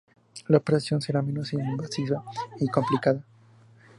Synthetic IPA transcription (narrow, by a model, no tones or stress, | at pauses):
laopeɾasjo̞nse̞ɾamẽ̞no̞simbasiβaiko̞mplikaða